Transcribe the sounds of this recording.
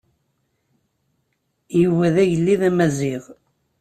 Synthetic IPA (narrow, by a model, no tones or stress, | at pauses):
juwæðæʝəlːiðæmæziʁ